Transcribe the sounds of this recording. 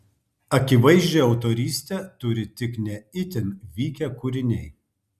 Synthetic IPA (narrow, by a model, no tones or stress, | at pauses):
ɐkʲɪʋɐɪʒʲd͡ʒʲeɐʊt̪ɔɾʲiːsʲt̪ʲɛt̪ʊɾʲɪt̪ʲɪknʲɛɪt̪ʲɪnʋʲiːkʲɛkʊɾʲɪnʲɛɪ